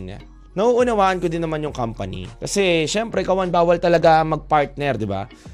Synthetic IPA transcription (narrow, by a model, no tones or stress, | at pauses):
ɲa̰ | nɐʔuʔʊnɐwaːʔɐnkod̪ɪnːɐmanjʊŋkampɐnḭkɐsɛʃɛmpɾɛkɐwɐnbaːwɐlt̪ɐlɐɡaʔɐŋmɐɡ̚paɹt̪̚nɛɾd̪ɪba̰